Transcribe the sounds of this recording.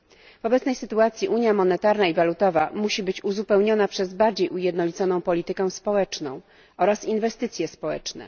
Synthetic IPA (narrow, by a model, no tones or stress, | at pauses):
v̥ɔbɛt̪snɛjsɘt̪uat̪sʲjiʔuɲjamɔnɛt̪aɾnaivalut̪ɔvamuɕibɘt͡ɕuzupɛwɲɔnapʂɛzbaɾd͡ʑejʔujɛd̪nɔlʲit̪sɔnɔ̃w̃pɔlʲit̪ɘkɛ̃w̃spɔwɛt͡ʂnɔ̰̃w̃ | ɔɾasinvɛst̪ɘt̪sʲjɛspɔwɛ̰t͡ʂnɛ̰